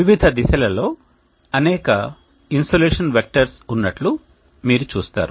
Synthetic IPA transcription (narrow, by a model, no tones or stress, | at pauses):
iʋid̪ʱɐd̪isɐlɐlo̞ː | ɐnɛːkɐ | insoːleːʂɐnʋek̚ʈɐɾsunːɐʈlu | miːɾut͡ʃuːst̪a̰ːɾu